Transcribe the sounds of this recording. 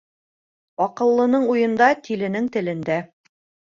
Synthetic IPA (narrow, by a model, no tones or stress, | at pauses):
ɒqɤ̆lˠːɤ̆nɤɴujɤ̆nd̪ɑt̪ʰilɘ̆nɘŋt̪ɘ̆lɘ̆nd̪æ